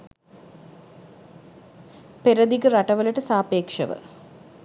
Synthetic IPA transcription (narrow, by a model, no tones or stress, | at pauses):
peɾɐd̪ikɨrɐʈɐʋɐlɐʈːɨsaːpeːkʂɐ̰ʋɨ̰